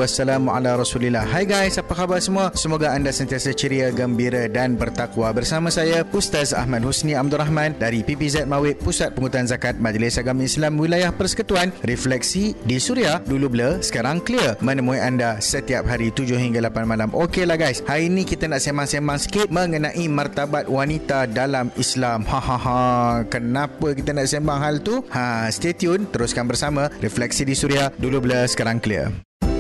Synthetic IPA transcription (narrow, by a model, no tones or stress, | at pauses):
asːalamʔa̰laɾɔsulilːahɦajɡajsapakabalsəmũasəmoɡaandasənt̪iasat͡ʃəɾiaɡəmbiɾadanbərt̪akwabərsamãsajapust̪asa̰hmad̚husnĩab̚d̪uɾaɦmãndaɾipipizɛt̪̚mawɪʔ̪̚pusat̪̚pəŋut̪uanzakat̪̚mãd͡ʒlɪsaɡamislamwilajahpərsə̥kət̪uanrɛflɛk̚sidisuɾiahdulubləsə̥kaɾaŋklirmə̃nə̃mũiandasət̪iap̚ɦaɾit̪ud͡ʒʊhiŋɡalapanmalamʔokelahɡajshaɾiinĩkit̪anaʔsembaŋsembaŋsə̥kɪt̪̚mə̃ŋənãʔimart̪abat̪̚wanit̪adalamislamhãhãhãkənãpəkit̪anaʔsembaŋɦalt̪uhast̪et̪iʊnt̪əɾuskanbərsamãɾɛflɛk̚sidisuɾiahdulubləsə̥kaɾaŋkliə̰r